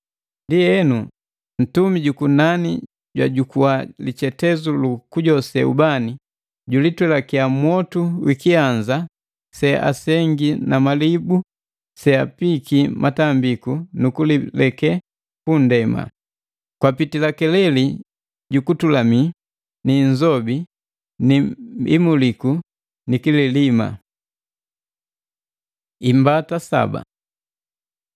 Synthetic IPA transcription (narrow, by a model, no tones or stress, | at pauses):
ndiɛnu | n̩tumiɟukunani | ɟwa̰ɟukuwalit͡ʃɛtɛzulukuɟɔsɛṵbani | ɟulitwɛlakiamwɔtuwikiaɲza | sɛʔa̰sɛŋɡinamalibu | sɛapikimʔatambikunukulilɛkɛ | kundɛma̰ | kwapitilakɛlɛli | ɟukutulami | niɲd͡ʒɔbi | niḭmuliku | nikililima̰ | imbatasa̰ba̰